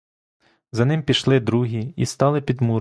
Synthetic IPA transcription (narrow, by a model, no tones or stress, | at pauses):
zɐnɪmpʲiʃlˠɪd̪ɾuɦʲiist̪ɑlˠɪpʲid̪mu